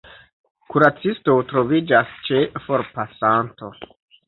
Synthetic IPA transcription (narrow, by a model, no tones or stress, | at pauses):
kuɾat͡sisto̞tɾo̞vid͡ʒast͡ʃe̞fo̞ɾpasanto̞̰